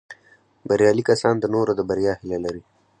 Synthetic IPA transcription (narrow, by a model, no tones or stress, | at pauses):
baɾjɑlikasɑnd̪ənoɾad̪əbaɾjɑhɪlelaɾi